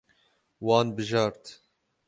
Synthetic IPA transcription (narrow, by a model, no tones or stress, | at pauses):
wɑːnbɨʒɑːɾt̪